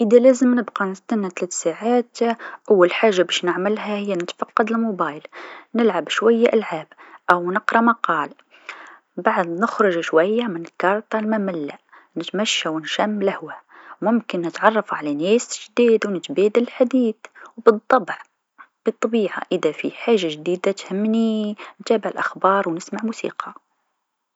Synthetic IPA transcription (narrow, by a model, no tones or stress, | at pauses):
ʔəðælæzəmnəbqɑnɪst̪anːat̪læːt̪saʕaːt̪ʔawːalħaːʒːabɛʃnəʕmɪlhæhɪjːanɪt̪fɑqːɑd̪ɪlmobɑjlnɪlʕabʃwæjːaʔalʕaːbʔawnəqɾˤɑmɑqɑːl | baʕd̪nəxɾˤʊʒʃwæjːamɪnɪlkɑɾˤt̪ˤɑlmamɪlːaʔ | nɪt̪mæʃːawənʃæmːlahwæmʊmkɪnːət̪ʕɑrˤːɑfʕalaneːsʒd̪iːd̪wnɪt̪beːd̪ələlħad̪iːθwbɨd̪ˤːɑbʕ | b̥it̪ˤːɑbiːʕa̰ʔəðafḭħaːʒːaʒd̪iːd̪at̪hɪmːnint̪æːbɪʕɪlʔaxbɑːɾˤwnɪsmaʕmusḭːqʰɑ